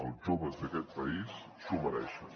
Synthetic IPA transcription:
əlˠʒoβəzðəkɛt̪̚pəis | suməɾɛʃən

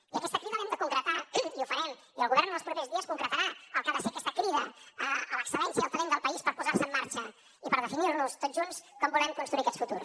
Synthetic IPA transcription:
iəkɛst̪əkɾiðəɛmd̪əkuŋkɾət̪aiufəɾɛm | iəlˠɣuβɛrnd̪əlˠspɾupezðiəskuŋkɾət̪əɾaəlˠkaðəfeəkɛst̪əkɾiðəəələksəlɛnsjiəːlˠt̪əlend̪əlˠpəispəɾpuzarsəmːaɾt͡ʃə | ipəɾðəfinirnust̪od̪ʒunskɔmbulɛmkunst̪ɾuiəkɛsfut̪ṵrs

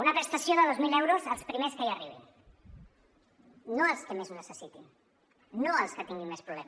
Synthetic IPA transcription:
unəpɾəst̪ɐsjoðəðozmilewɾozəlˠspɾimeskaiaɐriβ̞ḭn | noəlˠskəmeznəsəsit̪in | noəlˠskət̪iŋɡinmespɾuβlɛ̰m

